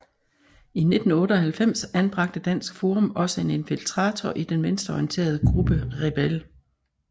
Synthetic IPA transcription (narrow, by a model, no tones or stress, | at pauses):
ine̝d̥n̩ɔ̽ːɾəɒ̽hælfem̰sænb̥ʁɑ̈ɡ̥̚d̥əd̥æn̰sɡ̥fo̝ːʁɔ̽mɒ̽səe̝ne̝nfilt͡sʰʁɑ̈ːt͡sʰɒʔid̥enʋensd̥ɐɒient͡sʰe̝̰ːɐð̞ˠəɡ̥ʁub̥əʁɛb̥el